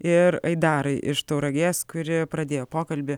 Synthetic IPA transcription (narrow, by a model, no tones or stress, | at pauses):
ɪɾɐɪd̪ɑːɾɐɪʔɪʃt̪ɐʊɾɐɡʲeːskʊɾʲɪpɾɐd̪ʲeːjoːpoːkɐlʲbʲɪ